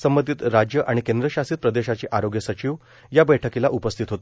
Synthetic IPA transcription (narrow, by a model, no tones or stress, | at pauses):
səmbənd̪ʱiːt̪ɾad͡ʑjəʔaɽ̃ikend̪ɾəɕasiːt̪̚pɾəd̪eɕat͡ɕiːʔaɾoɡjəsət͡ɕiːʋ | jabəjʈʰəkilaʔupəst̪ʰit̪ɦot̪